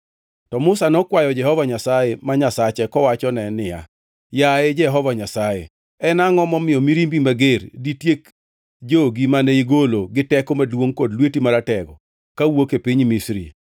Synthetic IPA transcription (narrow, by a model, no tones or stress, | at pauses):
tɔmʊsanɔkwajɔd͡ʒɛhɔvaɲasajemaɲasat͡ʃɛkɔwat͡ʃɔnɛnɪja̰ | jaed͡ʒɛɦɔvaɲasajḛ | ɛnaŋɔmɔmɪjɔmiɾimbimaɡeɾditjek | d͡ʒoɡimanɛiɡoloɡɪtɛkɔmadwoŋkodlwetimaɾatɛɡɔ | kawokepiɲmisɾḭ